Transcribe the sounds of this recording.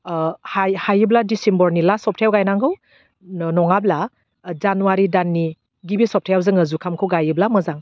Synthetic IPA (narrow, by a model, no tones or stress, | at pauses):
hajhajɯbladisimbɔɾnilasɔp̚tʰajawɡajnaŋɡɯw | nnɔŋabla | zanuwaɾidanːi | ɡibisɔp̚tʰajawzɯŋəzukʰamkʰɯwɡajɯblamɯzaŋ